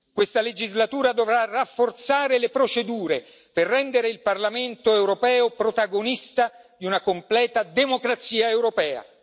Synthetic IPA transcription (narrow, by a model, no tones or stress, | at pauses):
kwest̪aled͡ʒizlat̪uːɾad̪ovɾarafːort̪saːɾelepɾot͡ʃed̪uːɾe | perːɛnd̪eɾeilparlament̪oɛwɾopɛːopɾot̪aɡonist̪ad̪iunakomplɛːt̪ad̪emokɾat̪siːaewɾopɛːa̰